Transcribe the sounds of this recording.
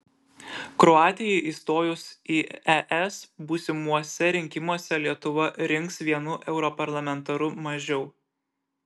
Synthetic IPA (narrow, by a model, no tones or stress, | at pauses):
kɾɔɑːt̪ʲɪjɛɪʔiːst̪oːjʊsiːɛʔɛsbuːsʲɪmuɔsʲɛɾʲɪŋʲkʲɪmuɔsʲɛlʲiɛt̪ʊʋɐɾʲɪŋˑksʋʲiɛnʊʔɛʊɾɔpɐɾlˠɐmʲɛnt̪ɐɾʊmɐʒʲɛʊ